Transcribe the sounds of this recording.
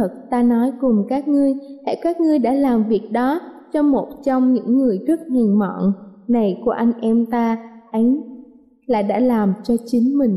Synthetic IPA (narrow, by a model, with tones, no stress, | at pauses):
ə˨˩t̚t̪aː˧nɔ˨˦jkʊ˨˩ŋ͡mkaː˦˥k̚ŋɨ˧əjh̪ʰɛ̰˧˩kaː˦˥k̚ŋɨ˧əjɗa̰ː˧˥laː˨˩mvi˨˩ək̚ɗɔ˨˦t͡ɕɔ˧mo˨˩t̚t͡ɕɔ˧wŋ͡mɲɨ̰˧˥ŋːɨ˨˩əjzɨ˦˥k̚ŋi˨˩ŋmɔ̰˧˨nna˨˩jku˧˩əʔa˧jŋ̟ʔɛ˧mt̪aː˧ʔa˨˦jŋ̟ | la̰ː˧˨˩ɗa̰ː˧˥laː˨˩mt͡ɕɔ˧t͡ɕï˨˦ŋ̟mï˨˩ŋ̟